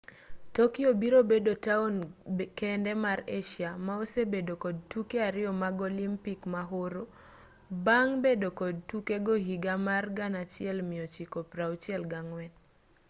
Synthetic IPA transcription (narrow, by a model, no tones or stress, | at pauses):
tokɪobiɾobedotaonkɛndɛmaɾeʃjamaosebedokod̚tukeaɾɪɔmaɡolimpikmaɦoɾo | baŋbedokod̚tukeɡohiɡamarɡanat͡ʃɪɛlmɪot͡ʃikopɾaut͡ʃɪɛlɡaŋwɛn